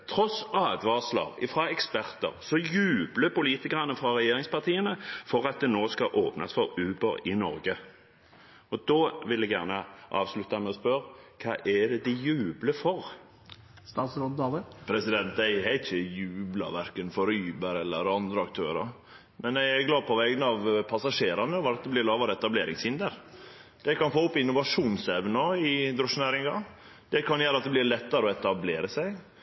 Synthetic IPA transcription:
t̪ʰɾɔsɑːd̪ʋɑːslɑ̰ʁɪ̰fʁɑɛkspæʁt̪ə̰ɾsɔjʉːbləpʊliːt̪ɪkəʁɑnəfɾɑʁɛjeːɾɪŋspɑʁt̪ʰiːənəfɔʁɑt̪̚d̪ɛnoːskɑʔoːpnasfɔɾʉːbəɾɪnɔɾɡə | ɔd̪oːʋɪlːɛɡjæʁnəʔɑ̰ːʋslʉt̪ɑmɛɔspœɾkʰɑ̰ːʔɛd̪ɛd̪ɪjʉːbləfɔʁ | st̪ɑːt̪sɾɔnd̪ɑləpʰɾɛsɪd̪ɛnt̪æɪhæɪt̪çəjʉːblɑ̰ʋæɾkənfɔɾyːbəɾɛlːəɾɑnd̪ɾəɑkt̪ʰøːɾə̰ɾ | mʔɛnæɡlɑːd̪pʰɔʋɛɡənɑʋpʰɑsɑʂeːɾɑnəɔʋɑɾɑt̪̚d̪ɛblɪɾlɑːʋɑɾəɛt̪ɑbleːɾɪŋshɪnd̪əɾ | d̪̥ɛkɑnfoːʊpːɪnːʊʋɑʂuːnsɛʋnəɪd̪ɾɔʂnæɾɪŋɑ | d̪̥ɛkʰɑnjæːɾəɑt̪̚d̪ɛb̪ɪɾlɛt̪ːɑɾəɔɛt̪ɑbleːɾəsæɪ

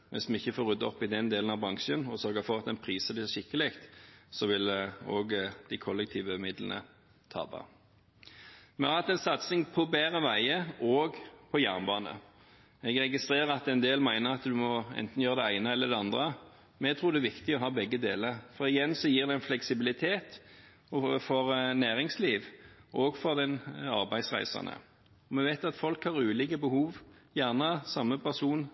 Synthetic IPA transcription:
mɛ̰nsmɛɪçːəfoːɾʉd̪ːəɔpːɪd̪ɛnd̪eːlənɑʋbʁɑŋʃənɔsœɾɡəfɔʁɑt̪d̪ɛnpʰʁiːsəb̪ɛæʃɪkːəlɪkt̪sɔʋɪloːɡd̪̥ɪkʰɔlːɛk̚t̪ʰiːʋəmɪd̪lənə̰ | t̪ʰɑ̰ːbɑ̰ | mɛɑt̪ɛnsɑt̪sɪŋpʰɔbæːʁəʋæɪəoːɡpʰɔjæʁnbɑːnə̰ | ɛɡʁɛɡɪst̪ʁeːʁəɑt̪ɛɪnd̪eːlmæɪnəʁɑt̪d̪ʉmɔɛ̰nt̪n̩jøːʁəd̪ɛæɪnəɛlːəʁd̪ɛɑnd̪ʁə | mɛɡt̪ʰɾuːɾd̪ɛæːʋɪkt̪ɪɔɦɑːbɛɡːəd̪eːləʁfɔɾɪjɛnsɔjiːʁd̪ɛɪnflɛksɪbɪlɪt̪ʰeːt̪ | fɔɾnæːʁɪŋsliːʋʔɔːɡfɔʁd̪ɛnɑ̰ʁbæɪ̥sʁæ̰ɪsɑ̰nə̰ | ɔmɛʋæɪt̪ɑt̪fɔlkhɑʁʉːliːkəbəhuːʋ | jæʁnəsɑmːəpʰæʁsuːn

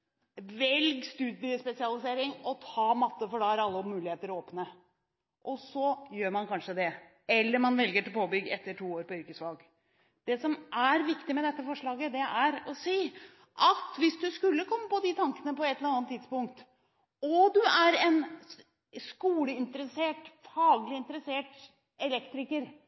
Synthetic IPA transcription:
ʋɛlɡst̪ʉːd̪ɪəspɛsɪɑlɪseːɾɪŋɔt̪ʰɑːmɑt̪ːəfɔɖɑæɾɑlːəɔmʉːlɪheːt̪əɾɔoːpnə | ʔɔsɔjøːɾmɑnkʰɑnʂəd̪ɛ | ɛlːəɾmɑnʋɛlɡəʈɪlpʰoːbʏɡːɛt̪ːəʈʰuːoːɾpɔʏɾkəsʋɑlɡ | d̪̥ɛsɔmʔæɾʋɪkt̪ɪmɛd̪ɛt̪ːəfɔʂɭɑːɡəd̪ɛʔæɾɔsiː | ʔɑt̪ʋɪsd̪ʉskʉlːəkʰɔmːəpɔd̪ɪt̪ʰɑŋkənəpɔɛt̪ːələɾɑnt̪ʰːɪd̪spʊŋkt̪ | ɔd̪ʉæɾɛn | skuːləɪnt̪əɾəseːʈfɑːɡlɪɪnt̪əɾəseːʈ | ɛlɛkt̪ɾɪkəɾ

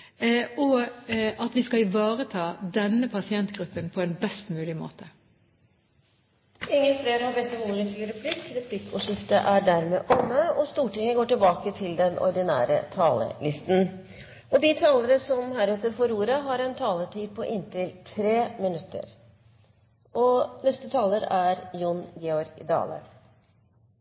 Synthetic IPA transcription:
ɔ | ɑt̪ʋɪskɑɪʋɑːʁət̪ʰɑːd̪ɛnːəpʰɑsɪɛnt̪ɡ̥ɾʉpːənpʰɔɛnbɛst̪mʉːlɪmo̰ːt̪ʰə̥ | ɪŋːənfleːɾhɑɾbɛt̪ːɔmʊɾɛnfyːɾɛpʰlɪkːɾɛpʰlɪkʰːɔʂɪft̪əʔæɖæɾmeːʔɔmːəɔst̪uːʈɪŋəɡoːʈɪlbɑːkət̪ʰɪld̪ɛnɔ̰ɾd̪ɪnæ̰ːɾə̰t̪ʰɑːlə̰lɪst̪n̩ | ɔd̪ɪt̪ʰɑːləɾəsɔmhæːɾɛt̪ːəɾfɔɾuːɾəɦɑɾɛnt̪ʰɑːlət̪ʰiːd̪̚pʰɔʔɪnt̪ʰɪlt̪ʰɾeːmɪnʉt̪ːə̰ɾ | ʔɔnɛst̪ət̪ʰɑːləɾæɾjʊnɡɛɔɾɡd̪ɑ̰ːlə̰

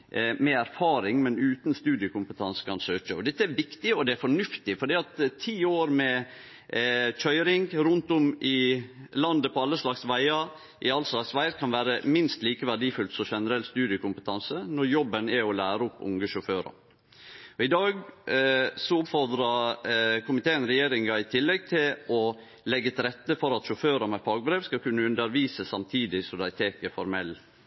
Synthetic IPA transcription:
mɛæɾfɑːɾɪŋmɛnʉːt̪nst̪ʉːd̪ɪəkʰʊmpət̪ʰɑnsə̥kʰɑnsøːt͡ʃəɔd̪ɛt̪ːəæɾʋɪkt̪ɪɔd̪ɛæɾfɔɳʉft̪ɪfɔɖiːɑt̪ʰːiːoːɾmɛ | çʰœʏɾɪŋɾʉnt̪ʊmʔɪlɑnd̪əpʰɔɑlːəslɑksʋæɪɑɾ | ʔɪɑlslɑksʋæɪɾkʰɑnʋæːɾəmɪnst̪liːkəʋæɖiːfʉlt̪sɔʃɛnəɾɛlt̪st̪ʉːd̪ɪəkʊmpət̪ʰɑnsənɔɾjɔbənæɔlæːɾəʊpːʊ̰ŋəʃʊføːɾɑ̰ɾ | ɔɪd̪ɑːɡ | sɔʊpfɔɾd̪ɾɑkʰʊmɪt̪eːənɾɛjeːɾɪŋɑɪt̪ʰɪlːɛɡ̚t̪ʰɪlɔ | lɛɡːət̪ʰɪɾɛt̪ːəfɔɾɑt̪ʃʊføːɾɑmɛfɑːɡbɾeːʋskɑkʉnːəʉnd̪əɾʋiːsəsɑmt̪ʰiːd̪ɪsɔd̪ɑɪt̪ʰeːkəfɔɾmɛlː

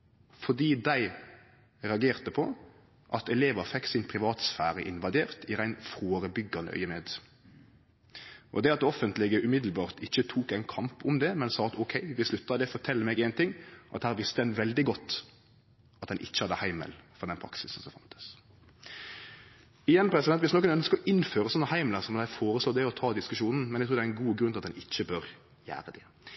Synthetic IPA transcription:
fɔd̪iːd̪æɪ | ɾɛɑɡeːʁt̪əpʰɔ | ʔɑt̪ɛleːʋəfɛkːsɪnpʰɾɪʋɑːt̪sfæːɾəʔɪnʋɑd̪eːʁt̪ʰɪʁæɪnfoːɾəbʏɡɑnə̰ʔœ̰ʏəmeːd̪ | ʔɔ̰d̪ɛɑt̪̚ɔfənt̪lɪɡəʔʉmɪd̪l̩bɑːʁt̪ɪçːət̪ʰuːkæɪnkʰɑmpʊmd̪ɛmɛnsɑːɑt̪ɔkʰɛɪʋɪslʉt̪ːɑd̪ɛfɔʁt̪ʰɛlːəmɛːɡɛɪnt̪ʰɪŋːʔɑ̰t̪hæːɾʋɪst̪ədɛnʋɛld̪ɪɡɔt̪ː | ɑt̪̚d̪ɛnʔɪ̰çːəhɑd̪əhæɪmə̰lfɔʁd̪ɛnpʰɾɑ̰ksɪsn̩sɔmfɑnt̪ə̥s | ɪjɛnːpʰɾɛsɪd̪ɛnʋɪsnɔkːənœnskəɔʔɪnføːʁəsɔnːəhæɪmləsɔmɔd̪æɪfoːɾəsloːd̪ɛɔt̪ʰɑːd̪ɪskʉʃuːnn̩mɛnæɛɡt̪ʰuːd̪æɛnɡuːɡɾʉnɑt̪d̪ɛnɪçːəbøːɾ | jæ̰ːɾəd̪ɛ

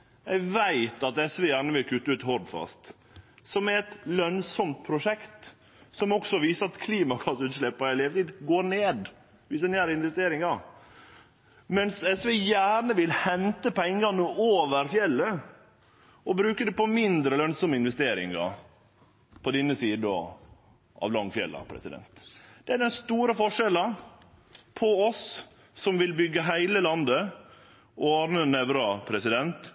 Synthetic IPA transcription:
jæɪʋæɪt̪ɑt̪ɛsʋeːjæːɳəʋɪlkʰʉt̪ːəʉːt̪hɔɾɖ̪fɑ̰st̪ | sɔmɛɾɛt̪lœnsɔmt̪̚pʰɾʊʂɛkt̪ | sɔmɔksɔʋiːsəɾɑt̪kʰliːmɑkʰɑt̪ʉːt̪ʂlɛpːɑɪleːʋət̪iːd̪ɡoːɾneːd̪ | ʋɪsd̪ɛnjæːɾəɪnʋɛst̪eːɾɪŋɑ | mɛnsɛsʋejæːɳəʋɪlhɛnt̪əpʰɛŋːɑnəʔoːʋəɾfjɛlːə | ɔbɾʉːkəd̪ɛpɔmɪnd̪ɾəlœnsɔməɪnʋɛst̪eːɾɪ̰ŋɑ̰ | pʰɔd̪ɪnəsiːd̪ɔ̰ | ʔɑ̰ːʋlɑŋːfjɛ̰lːɑ̰pʰɾɛ̰sɪd̪ɛ̰nt̪d̪̥ɛæɖ̪ɛnst̪uːɾəfɔʂɛlɑ | pʰɔɔs | sɔmʋɪlbʏɡəɦæɪləlɑnd̪ə | ɔɑɾnənɛʋɾɑpʰɾɛsɪd̪ɛnt̪

